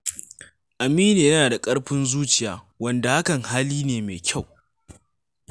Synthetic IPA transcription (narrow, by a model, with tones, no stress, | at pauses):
ʔa˨miː˦neː˨jɐ˦naː˨da˨kʼɐ˦ɽɸɪ˦nzuː˦t͡ʃɪ˨jaː˨ | wɐ˦nda˨ha˦kɐ˨ŋhaː˦liː˦neː˨meː˨kʲʰa˦˨w